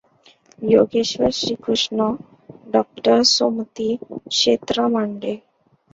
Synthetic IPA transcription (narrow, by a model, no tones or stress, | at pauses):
joɡeɕʋəɾɕɾikʰɾuʂɳɔ | ɖɔk̚ʈəɾsomt̪ikʂet̪ɾamaɳɖe